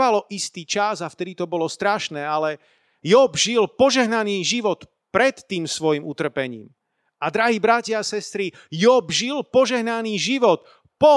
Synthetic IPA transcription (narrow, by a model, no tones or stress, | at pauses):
alɔʔist̪iːt͡ʃazaft̪ɛd̪it̪ɔbɔlɔst̪ɾaʃnɛːalɛ | jɔbʒilpɔʒɛɦnaniːʒiʋɔt̪ | pɾɛt̪ːiːmsʋɔjimut̪r̩pɛɲḭːm | ad̪ɾaɦiːbɾacɪaasɛst̪ɾi | jɔbʒilpɔʒɛɦnaniːʒiʋɔt̪̚ | pɔ